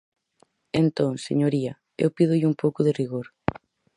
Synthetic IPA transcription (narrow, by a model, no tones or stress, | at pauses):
ent̪õŋseɲoɾiɐ | ḛwpið̞ʊʎɪumpowkʊðeriɣoɾ